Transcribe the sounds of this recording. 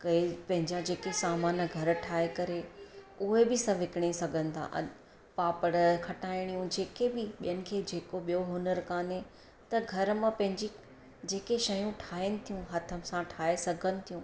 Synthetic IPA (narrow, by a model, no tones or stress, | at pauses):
kɐepɐ̃ɦɪ̃ɲd͡ʑad͡ʑeːkesaːmaːnə̆ɡʱɐɾʈʰaːekɐɾe | uɦebɪsɐ̃ʋɪkɪɽ̃esɐɡʱə̃nɪ̆t̪ʰa̰ʔɐ̰ɗ | paːpəɽəkʰɐʈaːɪɽ̃ijũd͡ʑeːkebɪɓijənɪ̆kʰeːd͡ʑeːkoɓijoɦʊnəɾkaːnɦe | t̪ɐɡʱɐɾmãpɐ̃ɦɪ̃ɲd͡ʑi | d͡ʑeːkeʃɐjũʈʰaːɪnɪ̆t̪ʰijũɦɐt̪ʰəsãʈʰaːesɐɡʱənɪ̆t̪ʰijũː